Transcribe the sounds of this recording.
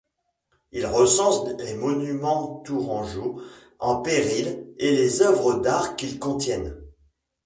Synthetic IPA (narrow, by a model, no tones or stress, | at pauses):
ilʁəsɑ̃slemɔnymɑ̃t̪uʁɑ̃ʒo | ɑ̃peʁilelezœvʁəd̪aʁkʲilkɔ̃t̪jɛn